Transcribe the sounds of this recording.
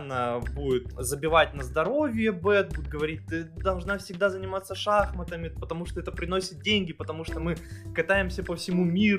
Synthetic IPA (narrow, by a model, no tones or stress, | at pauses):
nːəbudʲɪt̪zəbʲɪvat̚ʲnəzd̪ɐɾo̞vʲɪjəbɛt̪̚buɪt̪̚ɡəvɐɾʲit̚ʲt̪ɨd̪ɐlˠʐnafsʲɪɡd̪azənʲɪmat̪sːəʂaxmət̪əmʲɪpət̪ɐmuʂt̪oɛt̪əpɾʲɪnosʲɪt̪̚dʲenʲɡʲɪpət̪ɐmuʂt̪omɨkɐt̪ajɪmsʲəpəfsʲɪmumʲiɾ